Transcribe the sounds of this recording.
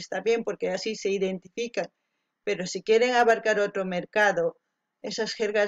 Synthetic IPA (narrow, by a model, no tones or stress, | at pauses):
st̪aβje̞mpo̞ɾkeasise̞iðe̞nt̪ifikaŋ | pe̞ɾosikje̞ɾe̞ŋaβaɾkaɾot̪ɾome̞ɾkaðo | esasxeɾɣa